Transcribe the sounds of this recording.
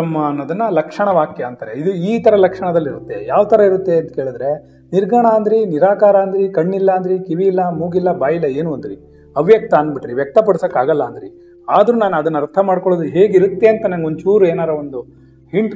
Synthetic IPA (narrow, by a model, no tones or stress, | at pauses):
ɐmːɐnːod̪ɐnːɐlɐkʂɐɳɐʋaːkjɐːnt̪ɐɾeid̪uiːt̪ɐɾɐlɐkʂɐɳɐd̪ɐlːiɾut̪ːe̞jaːʋt̪ʰɐɾɐiɾut̪ːe̞ɐnt̪ɐkeːɭud̪ɾe̞ | niɾɡɐɳaːnd̪ɾiniɾaːkaːɾaːnd̪ɐɾikɐɳːilːɐːnd̪ɐɾikiʋiːlːɐmuːɡilːɐbaːjilːɐe̞ːnuɐnd̪ɾi | ɐʋjɐk̚t̪ɐːnbiʈɾiʋjɐk̚t̪ɐpɐɽusɐkːaːɡɐlːɐːnd̪ɾḭ | aːd̪ɾunaːnuɐd̪ɐnːɐɾt̪ʰɐmaːɖkoɭod̪uɦe̞ːɡiɾut̪ːe̞ɐnt̪ɐnɐnɡeond̪ut͡ʃuːɾueːnaːɾɐond̪u | hiɳʈ